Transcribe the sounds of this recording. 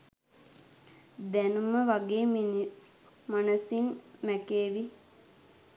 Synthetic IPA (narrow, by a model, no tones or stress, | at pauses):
d̪ænuməʋaɡeːminis | manəsinmækeːʋi